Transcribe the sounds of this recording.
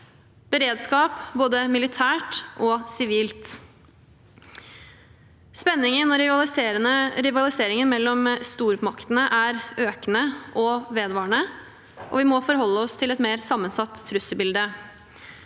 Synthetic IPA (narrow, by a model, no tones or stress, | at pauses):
b̥əɾeːd̪skɑːpboːd̪əmɪlɪt̪ʰæːʈʔɔsɪʋiːlt̪ | spɛnːɪŋənɔɾɪʋɑɪɾəəɾɪʋɑlɪseːɾɪŋənmɛlːɔmst̪uːɾmɑkt̪ənəʔæɾøːkənəʔɔʋeːd̪ʋɑːɳə | ʔɔ̰ʋɪmɔfɔɾhɔlːəɔst̪ʰɪlɛt̪meːɾsɑmːənsɑt̪ʰːɾʉsəbɪld̪ə